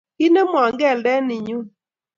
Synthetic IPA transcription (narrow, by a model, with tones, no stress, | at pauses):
ɪ˦ne˦mɔ˨a˨ŋɡɛ˦˨ldɛ˦nɪ˨ɲu˦